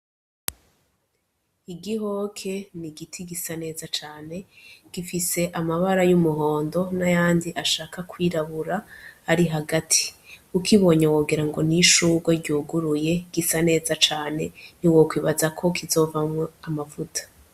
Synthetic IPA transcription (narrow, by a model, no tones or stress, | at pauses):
iɡiɦo̞ːkʰe̞niɡitʰiɡisane̞ːzat͡ʃaːne̞ɡ̥ifise̞ʔamaβaɾajumuɦo̞ːndo̞najaːndiʔaʃaːkakwiːɾaβuɾahaɾiɦaɡatʰi̥ukʰiβo̞ɲewoːɡiɾaŋɡo̞niʃuːɡwaɾɟuːɡuɾuje̞ɡ̥isane̞ːzat͡ʃaːne̞niwokwiːβazakʰo̞kʰizo̞vamŋoamavutʰḁ